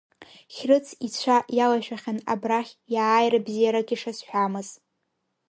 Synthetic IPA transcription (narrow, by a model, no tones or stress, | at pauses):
χʲrɨt͡sʰit͡ɕʷʰajalaʃᶣaχʲana̰braχʲjaːjrabzijaɾaɡʲiʂasħʷᶣamɨz̥